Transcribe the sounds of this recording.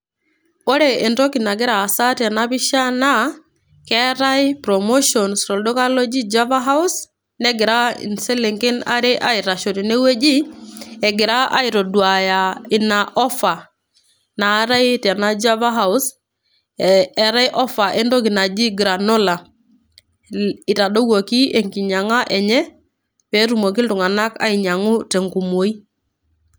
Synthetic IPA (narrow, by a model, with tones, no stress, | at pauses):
ɔ˦ɾe˨e˨nɾɔ˦ki˨na˨ɡɪ˦ɾaː˨sa˦ta˨na˦pi˦ʃa˦na˦ | kɛ˦ɾa˦jpɾo˨mo˦ʃɔ˨nsɾɔ˨ldɔ˦ka˦lo˦d͡ʒi˦d͡ʒa˦va˦ɦa˦u˦s | nɛ˦ɡɪ˨ɾa˦ḭ˨nse˦le˨ŋki˦na̰˦ɾe˦ʔa˦i˨ɾa˨ʃo˨ɾi˨ne˦we˦d͡ʒi˦ɛ˨ɡɪ˨ɾa˦a̰˦i˨ɾɔ˨dwa˨ja˨ɪ˨na˨ʔɔ˦fa˨ | na˨˦ɾa˦jta˨na˦d͡ʒa˦va˦ɦa˦˨ʊ˦s | ɛ˨ɾa˦jʔɔ˦fa˨ʔɛ˦ndɔ˦ki˨na˨d͡ʒi˦ɡɾa˨nɔ˦la˨ | ɪ˨ta˨do˦ɡo˨ki˦e˨ŋki˨ɲa˨ŋa˦ʔɛ˨ɲɛ˦ | pɛ˨˦ɾu˨mo˨ki˦ntu˨ŋa˨na˦ka̰˦i˨ɲa˨ŋʊ˦tɛ˨ŋku˨mo˨i˦